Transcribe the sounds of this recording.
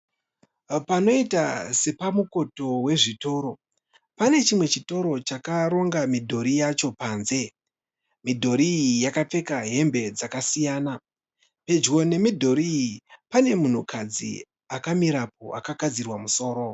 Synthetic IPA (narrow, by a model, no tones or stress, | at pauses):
pano̞itase̞pamuko̞to̞we̞ʐito̞ːɾo̞ | pane̞t͡ʃimwe̞t͡ʃito̞ɾo̞t͡ʃakaɾo̞ŋɡamidʱo̞ɾijat͡ʃo̞paːnze̞ | midʱo̞ɾiijakap͡fe̞kaɦe̞mbe̞d͡zakasijaːna | pe̞d͡ʒwo̞ne̞midʱo̞ɾiipane̞mun̤ukʰad͡zḭ | akamiɾap̚o̞ʔakakad͡zirwamuso̞ːɾo̞